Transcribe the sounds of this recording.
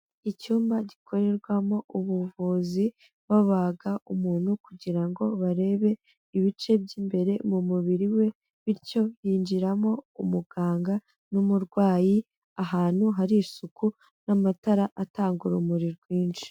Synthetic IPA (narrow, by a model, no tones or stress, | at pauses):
icuːmbaɟikʰo̞ɾe̞ɾɡwamo̞uβuvuzi | βaβaɡaʔumuːn̥hukuɟiɾaŋɡo̞βaɾe̞ːβe̞ | iβit͡ʃe̞bɟiːmbe̞ɾe̞mumuβiɾiwe̞ | βiɾco̞jiːnd͡ʒiɾamo̞umuɡ̥aːŋɡa | numuɾɡwaːji | ahaːn̥huɦaɾisuku | namataɾaʔataːŋɡuɾumuɾiɾɡwiːnʃi̥